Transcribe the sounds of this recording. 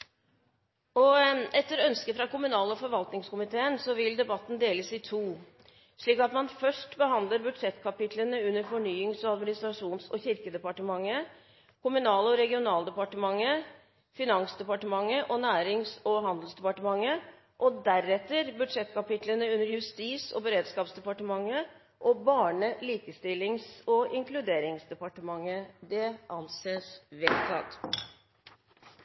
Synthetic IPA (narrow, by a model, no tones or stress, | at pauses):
ɔɛt̪ːəɾɔœnskəfɾɑkʊmʉnɑːləɔfɔɾʋɑlt̪nɪŋskʊmɪt̪ʰeːənsɔʋɪld̪ɛbɑt̪ːn̩d̪eːləsɪt̪ʰuː | ʂɭiːkɑt̪mɑnfœʂʈbəɦɑnd̪ləɾbʉd̪ʂɛt̪ːkʰɑpɪt̪ʰlənəʉnːəɾfɔɳyːɪŋsɔɑd̪mɪnɪst̪ɾɑʂuːnsɔçɪɾkəd̪ɛpɑʈəmɑŋːə | kʰʊmʉnɑːləɔɾɛɡɪʊnɑːld̪ɛpɑʈəmɑŋːə | fɪnɑŋsd̪ɛpɑʈəmɑŋːəʔɔnæːɾɪŋsɔɦɑnd̪əlsd̪ɛpɑʈəmɑŋːə | ʔɔd̪æɾɛt̪ːəɾbʉd̪ʂɛt̪ːkɑpɪt̪lənəʉnːəɾjʉst̪iːsɔ̰bəɾeːd̪skɑːpsd̪ɛpɑʈəmɑŋːə | ʔɔbɑːɳəliːkəst̪ɪlːɪŋsɔʔɪŋklʉd̪eːɾɪŋsd̪ɛpɑʈəmɑŋːəd̪ɛʔɑnseːsʋɛkt̪ʰɑ̰t̪